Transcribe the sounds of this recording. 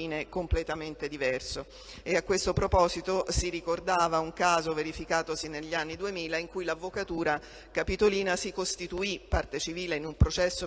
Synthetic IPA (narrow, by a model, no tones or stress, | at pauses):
iːnekomplet̪ament̪ed̪ivɛrso | eakːwest̪opɾopɔːzit̪osiɾikord̪aːvauŋkaːzoveɾifikaːt̪osineʎːianːid̪uemiːlaiŋkujlavːokat̪uːɾa | kapit̪oliːnasikost̪it̪uipːart̪et͡ʃiviːleinumpɾot͡ʃɛsːo